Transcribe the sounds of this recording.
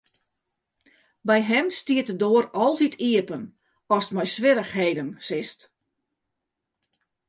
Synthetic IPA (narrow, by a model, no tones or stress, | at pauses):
bɛjɦɛmstiətədoːəɾɔlˠtitʰiəpən | ɔstmɔjsʋɪɾəxɦeːdənsɪst